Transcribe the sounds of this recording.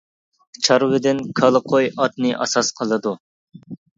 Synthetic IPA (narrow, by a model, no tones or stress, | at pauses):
t͡ʃʰɑɾwɪd̪ɪnkʰɑlˠəqʰojɑt̪̚nɨʔɑ̰sɑsqʰəlˠɨd̪u